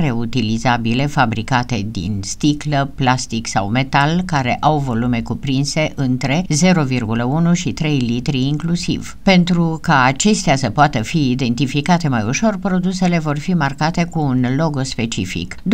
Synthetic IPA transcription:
re̞ut̪ilizabile̞fabɾikat̪e̞d̪ḭnst̪ikləplast̪iksa̰wme̞t̪alkaɾe̞̰ʔawvo̞lume̞kupɾinse̞ʔɨnt̪ɾe̞ze̞ɾo̞virɡuləunuʃit̪ɾe̞jlit̪ɾiːŋklusḭv̥ | pe̞nt̪ɾukaːt͡ʃe̞st̪easəpoat̪əfiːd̪e̞nt̪ifikat̪e̞majuʃo̞rpɾo̞d̪use̞le̞vo̞rfimarkat̪e̞kuːnlo̞ɡo̞spe̞t͡ʃḭfḭkd̪

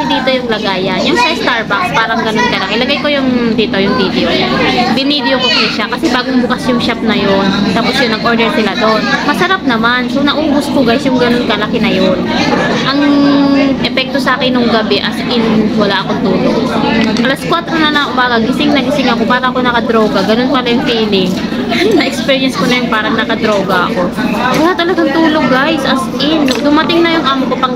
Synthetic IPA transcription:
ɪd̪iːt̪o̞jʊŋlɐɡaːjɐnjʊŋsɐst̪aɹbakspaːɾɐŋɡɐno̞nkɐlɐkɪlɐɡajko̞jʊŋd̪iːt̪o̞jʊŋvid̪ɛobɪnid̪jokopɐɛʃakɐsɛbaːɡoŋbʊkɐsjʊŋʃap̚nɐjo̞nt̪aːposjʊŋnɐɡʔo̞ɹd̪ɛɹsɪlad̪onmɐsɐɾap̚nɐmanso̞wnɐʔʊɡʊskoɡaːjsjʊŋɡɐnonkɐlɐkɪnɐjo̞nʔɐŋ | ʔɛpɛk̚t̪o̞sɐʔaːkɛnːoŋɡɐbɛʔɐsʔɪnwɐlaʔɐko̞ŋt̪uːloɡ̚ʔɐlaskwat̪ɾo̞nɐnɐobaːɡɐɡɪsɪŋnɐɡɪsɪŋɐko̞paːɾɐɐko̞nɐkɐd̪ɾo̞ːɡɐɡɐno̞npɐlɐjʊŋfiːlɪŋ | nɐʔɛkspɛːɹjɛnskonɐjʊŋpaːɾɐŋnɐkɐd̪ɾo̞ːɡɐʔɐ̰ko̞wɐlat̪ɐlɐɡaŋt̪uːloɡ̚ɡajsʔɐsʔɪnd̪ʊmɐt̪ɪŋnɐjʊŋʔaːmkopɐ

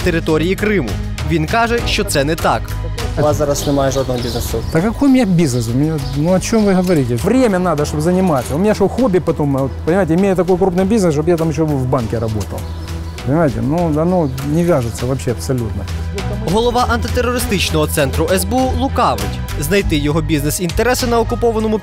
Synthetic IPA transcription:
t̪eɾɪt̪ɔɾʲijikɾɪmʊ | ʋʲinkɑʐɛʃt͡ʃɔt̪sɛnɛt̪ɑk | ʋaszaɾɐsnɪmajɛʐod̪nɔɦɔbʲiznesʊt̪ɐkɐkojʊmʲɪnʲabʲiznɨs̬ʊmʲɪnʲanuɐt͡ɕo̞mʋɨɦɐʋɐɾʲitʲɪvɾʲemʲɐnad̪ɐʂt̪obzɐnʲɪmasʲɐʊmʲɪnʲaʂoxobʲɪpɐt̪omot̪pənʲɪmajɪtʲɪmʲejʊt̪ɐk̬ojkɾupnɨjbʲiznɨsʃ̬objat̪amjɪɕ̬ːoʋvbankʲɪɾɐbo̞̰t̪ɐ̰lˠ | pənʲɪmajɪtʲɪ̰nuɐnonʲɪʋʲaʐɨt̪səʋɐpɕːeɐpsɐlʲut̪nɐ | ɦɔlˠɔʋɑʔɐnt̪ɪt̪erːɔɾɪst̪ɪt͡ʃnɔɦɔt̪sɛnt̪ɾʊʔɛzbeulˠʊkɑʋɪ̰tʲ | znɐjt̪ɪjɔɦɔbʲiznɛsint̪eɾɛsɪnɐɔkʊpɔʋɐnɔmʊ

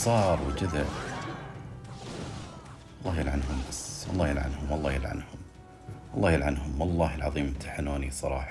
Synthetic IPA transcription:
sˤɑːɾˤwd͡ʒaða | ɑlˤːɑːjɪlʕanɦʊmbaswɑ̰lˤːɑːjɪlʕa̰nhʊmwɑlˤːɑːjɪlʕa̰nhʊm | wɑlˤːɑːhjɪlʕanhʊmwɑlˤːɑːhəlʕɑ̰ðˤiːmt̪ʰaħanuːnisˤɑɾˤɑ̰ːħɑ

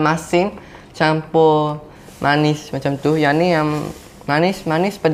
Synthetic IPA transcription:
masɪn | t͡ʃampɔ | mʔanɪsmat͡ʃamt̪ʊhjanijaŋ | manɪsmanɪspəd

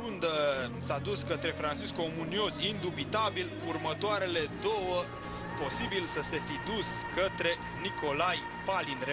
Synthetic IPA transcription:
und̪əsad̪uskət̪ɾe̞fɾant͡ʃiskomunio̞zʲind̪ubit̪abil | urmət̪oaɾe̞le̞d̪o̞wə | po̞sibilsəse̞fid̪uskət̪ɾe̞ | niko̞laj | falinɾe

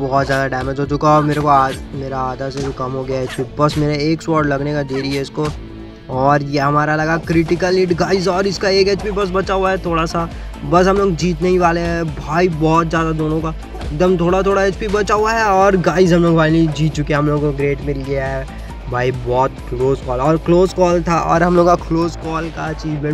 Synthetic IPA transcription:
bɔɦɔt̪zjaːd̪aɖɛːmed͡ʒɦot͡ʃʊkaɔːɾmeːɾekoaːmeːɾaaːd̪as̬ed͡ʒokɐmɦoɡɐjaeːt͡ʃpibɐsmeːɾeeːkswɔːɾɖlɐɡnekad̪eːɾiɦɛɪsko | ɔːɾjeɦɐmaːɾalɐɡakɾɪʈɪkəliʈɡaːɪzɔːɾɪskaeːkeːt͡ʃpibɐs̬bɐt͡ʃaɦuaɦɛt̪ʰoːɽasa | bɐs̬ɦɐmloːɡd͡ʒiːt̪neɦĩʋaːleɦɛ̃bʱaːibɔːt̪zjaːd̪ad̪oːnõka | ek̚d̪əmt̪ʰoːɽat̪ʰoːɽaeːt͡ʃpibɐt͡ʃaɦuaɦɛɔːɾɡaːɪzɦɐmloːɡbʱaːinid͡ʒiːt̪̚t͡ʃʊkiɛɦɐmloːɡkoɡɾeːʈmɪlɡiaɦɛ | bʱaːibɔːt̪̚kloːzkɔːlɔːɾkloːzkɔːlt̪ʰaʔɔ̰ːɾɦɐmloːɡkakloːzkɔːlkat͡ʃiːd͡ʒbẽ

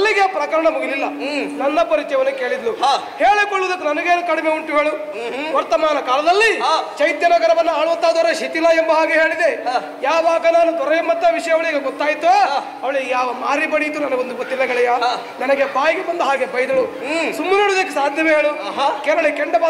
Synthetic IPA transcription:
lːiɡeapɾɐkɐɾɐɳɐmuɡililːɐnɐnːɐpɐɾit͡ʃɐjʋɐnːɐkeːɭid̪lu | heːɭekoɭud̪ɐkːunɐnɐɡeːnukɐɽimeuɳʈuɦeːɭu | ʋɐɾt̪ɐmaːnɐkaːlɐd̪ɐlːit͡ʃɐjt̪jɐnɐɡɐɾɐʋɐnːuaːɭuʋɐt̪ːaːd̪ɐɾeʃit̪ilːaembɐɦaːɡeɦeːɭid̪e | jaːʋaːɡɐnaːnut̪ɔɾɐjɐmːɐt̪ːɐʋiʂɐjɐʋɐɭiːɡɐɡɔt̪ːaːjit̪ːu | ɐʋɐɭijaːʋɐmaːɾibɐɽijt̪ːunɐnɐɡond̪ubɐt̪ːilːɐɡɐɭijɐ | nɐnɐɡebaːjiɡebɐnd̪ɐɦaːɡebɐjd̪ɐɭu | sumːɐneːɽud̪ɐkːesaːd̪ʱjɐmeɦeːɭukɛlɐɭekɛɳɖɐbaː

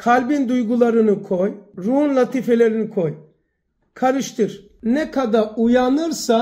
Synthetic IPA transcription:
kʰalʲbind̪ujɡulˠaɾɯnɯkʰojɾuunlat̪ʰifelʲeɾinikʰoj | kʰaɾɯʃt̪ʰɯɾ | nɛkʰad̪aɾujanɯɾsa

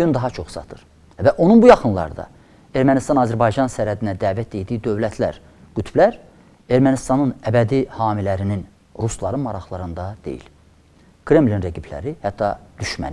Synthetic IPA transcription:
ynd̪ɑɦɑt͡ʃʰo̞χsɑ̰t̪ʰɯɾ̥ | væʔo̞nunbujɑχɯnlˠɑ̰ɾd̪ɑ̰ | e̞ɾmænist̪ɑnɑzæɾbɑjd͡ʒɑnsæɾæd̪inæd̪æːvæt̪̚d̪ejd̪iid̪ø̞vlæt̪ʰlæɾ | ɡ̥yt̪ʰblæɾ | e̞ɾmænist̪ɑnɯnæbæd̪ihɑːmilæɾinin | ɾuslˠɑɾɯmɑɾɑχlˠɑɾɯnd̪ɑd̪̥e̞̰jḭl | kʰɾe̞mlʲinɾeɡipʰlæ̰ɾihæt̪ʰːɑd̪̥yʃmæ̰ni

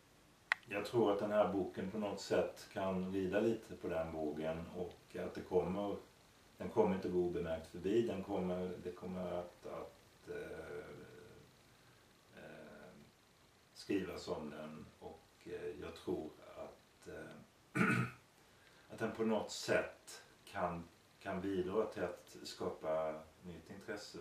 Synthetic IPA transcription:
jɑːɡt̪ʰɾuːɾat̪̚d̪ɛnhæːɾbuːkənpʰɔnɔt̪sɛt̪ːkʰanɾiːd̪aliːt̪ʰəpʰɔd̪ɛnbuːkənɔka̰t̪̚d̪ɛkʰɔmːəɾ | d̪̥ɛnkʰɔmːəɾɪnt̪əɡoːuːbəmæɾk̚t̪fœbiːd̪ɛnkʰɔmːəɾd̪ɛkʰɔmːəɾat̪a̰t̪ | skɾiːvasɔmd̪ɛnɔ̰k | jɑ̰ːɡ̚t̪ʰɾuːɾa̰t̪ | at̪̚d̪ɛnpʰɔnɔt̪sɛt̪ː | kʰan | kʰanbiːd̪ɾɑːt̪ʰɪlat̪skɑːpanʏt̪ːɪnt̪ʰɾɛsːə

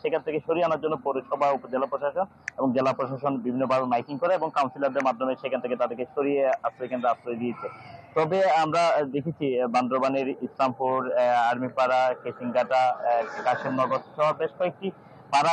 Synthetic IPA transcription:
ʃekʰant̪ʰekeʃoɾieanaɾd͡ʑonːopoɾiʃɔbʱaupod͡ʑelapɾoʃaʃon | eboŋd͡ʑelapɾoʃaʃonbibʱinːobʱabemajkiŋkoɾeeboŋkawnsilaɾd̪eɾmad̪ʱːomeɾʃekʰant̪ʰeket̪ad̪eɾkeʃoɾieasekanɾaasɾɔed̪iet͡ɕʰet̪ɔbeamɾad̪ekʰet͡ɕʰiband̪ɾobaneɾislamfuɾaɾmipaɾakesiŋɡaʈakaʃemnɔɾbat̪ʰːo̥ʃʰɔaɾbeʃkɔek̚ʈi | paɾa

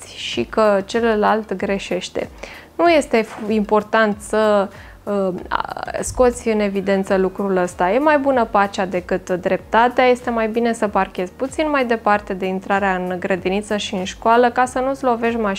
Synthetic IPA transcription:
sʲʃikət͡ʃe̞llːalt̪ɡɾe̞ʃe̞ʃt̪e̞̰ | nuje̞st̪e̞impo̞rt̪ant̪sə | sko̞t̪sʲɨne̞vid̪e̞nt̪səlukɾuləst̪aje̞majbunəpat͡ʃad̪e̞kɨt̪d̪ɾe̞p̚t̪at̪eaje̞st̪e̞majbine̞səparkʲe̞zʲput̪sinmajd̪e̞part̪e̞d̪e̞int̪ɾaɾeaɨnɡɾəd̪init̪səʃiɨnʃkoaləkasənuslo̞ve̞ʃma

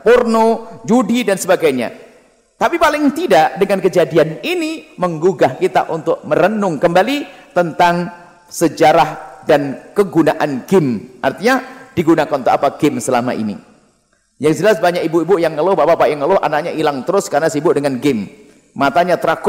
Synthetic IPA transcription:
pɔrnod͡ʒudidansəbaɡajɲa̰ | t̪apipalɪŋt̪idaʔdəŋankəd͡ʒadianiniməŋɡuɡahkit̪a̰ʔunt̪ʊk̚məɾənʊŋkəmbalit̪ənt̪aŋ | səd͡ʒaɾahdankəɡunaʔanɡɪmʔa̰rt̪iɲad̥iɡunakannt̪ʊkapaɡɪmsəlama̰ʔḭnḭ | jaŋd͡ʒəlasbaɲakibuibʊjaŋːəlʊhbabapaʔjaŋːəlʊɦa̰nak̚ɲaʔilaŋt̪əɾʊskarnasibʊʔdəŋanɡɪmː | at̪aɲat̪əɾak

